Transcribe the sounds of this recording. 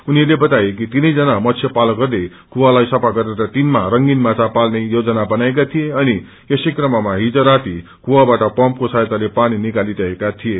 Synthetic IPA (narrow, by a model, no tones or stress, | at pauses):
uniʌrlebʌt̪ajek̬it̪inʌjd͡zʌnamʌtt͡sʰjʌpalʌɡʌrd̪e | kuwalajsʌpaɡʌɾeɾʌt̪inmaɾʌŋɡinmat͡sapalnejod͡zʌnabʌnaek̬at̪ʰijeʌni | esejkrʌmamaɦid͡zʌɾat̪i | kuwabaʈʌpʌmp̚kosajt̪alepaninikalit̪ʌɦekat̪ʰije